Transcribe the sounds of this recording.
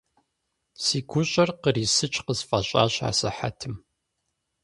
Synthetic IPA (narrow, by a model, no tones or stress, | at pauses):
siːkʷʰʊɕʼɐrqəɾiːsɨt͡ʃʼqəzfɐaɕʼa̰ːɕa̰ːsɨħa̰tʰɨm